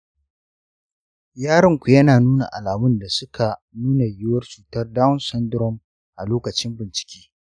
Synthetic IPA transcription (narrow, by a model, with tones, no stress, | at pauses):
jaː˦ɾɪ˦ŋkʷu˨jɐ˦naː˨nuː˦na˨ʔa̰˨laː˨mʊ˦nda˨sʊ˦kʰa˨nuː˦na˨jɪ˦wɐ˦rt͡ʃuː˨tɐ˦rdaː˦wnsɐ˦ndɾɔ˦˨m | ʔa˨loː˦kɐ˨t͡ʃɪ˦mbɪ˨nt͡ʃɪ̥˨kʲi̥ː˦